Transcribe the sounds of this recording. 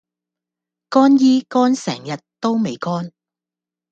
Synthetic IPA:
kɔː˥njiː˥kɔː˥nsɛ̰ː˨˩ŋjɐ˨tt̪o˥wme˨jkɔː˥n

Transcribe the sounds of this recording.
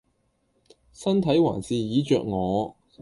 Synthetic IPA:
sɐ˥nt̪ʰɐ˨˥jwa̰ː˨˩nsiː˨jiː˨˧˥t͡ʃœː˨k̚ŋɔː˨˧

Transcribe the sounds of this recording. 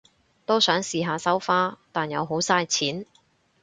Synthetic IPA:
t̪o˥wsœː˨˥ŋsiː˨ɦaː˨˧sɐ˥wfaː˥t̪aː˨˩njɐ̰˨˧wɦo˨˥wsaː˧jt͡sʰiː˨˥n

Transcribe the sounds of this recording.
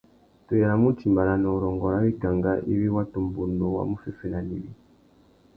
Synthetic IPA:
tu˨a˨mu˦t͡ʃi˨mba˨la˨nɔ˨u˨ɾɔ˨ŋɡɔ˨ɾa˦βi˦ɡa˨ŋɡa˦ʔḭ˦βi˦wa˦tu˨mbu˨ndu˨wa̰˦mu˦fi˦˨fi˦na˨nḭ˨βḭ˦

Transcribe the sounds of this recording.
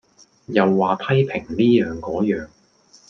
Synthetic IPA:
jɐ˨wːaː˨p̪ʰɐ˥jpʰɪ˨˩ŋliː˥jœː˨ŋkɔː˨˥jœː˨ŋ

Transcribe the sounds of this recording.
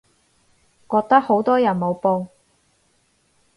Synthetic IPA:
kɔː˧k̚t̪ɐ˥k̚ho˨˥wt̪ɔː˥jɐ˨˩nmo˨˧wpoː˧

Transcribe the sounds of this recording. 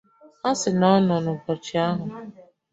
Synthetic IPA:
a˦sɪ˨nɔ˦nɔ˨nʊ˨pɔ˨t͡ʃɪ˨a˦ɦʊ˨

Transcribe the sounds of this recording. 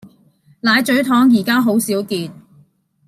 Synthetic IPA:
laː˨˧jt͡ʃɵ˨˥ɥt̪ʰɔː˨˥ŋjiː˨˩kaː˥ɦo˨˥wsiː˨˥wkiː˨˧t̪̚

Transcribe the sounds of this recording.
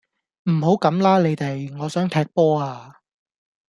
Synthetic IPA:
m̩˨˩ho˨˥wkɐ˨˥mlaː˥le˨˧jt̪e˨jŋɔː˨˧sœː˨˥ŋt̪ʰɛː˧k̚pɔː˥aː˧

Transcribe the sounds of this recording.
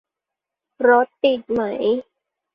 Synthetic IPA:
ɾɔ˦˥t̪ːi˨˩t̪̚ma˦j

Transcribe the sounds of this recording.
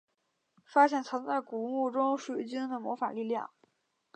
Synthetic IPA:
fa˥ɕjɛ˥˩nt͡sʰɤ˧˥nt͡sa˥˩ɪku˨˩˥ŋu˥˩ʈ͡ʂʊ˥ŋʂu˥˩˥t͡ɕi˥ŋd̪ə˨mwɔ˧˥fa̰˨˩li˥˧ljɑ̰˥˩ŋ

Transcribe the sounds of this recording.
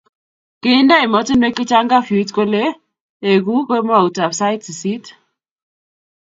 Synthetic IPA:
kɪ˦nda˦ɪ˨mɔ˦tɪ˦nwe˦kɪ˦t͡ʃa˦ŋɡa˦fi˨˦tko˦le˦ | e˨ɡu˦kwe˦m˦a˦˨u˨ta˨bsa˦ɪ˦tssi˦t

